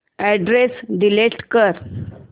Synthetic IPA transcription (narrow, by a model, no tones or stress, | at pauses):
ɛɖɾesɖ̪ileʈkəɾ